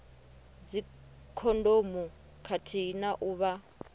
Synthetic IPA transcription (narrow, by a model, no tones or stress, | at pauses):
d͡zi | kʰɔndomu | kʰatʰinaʔuβa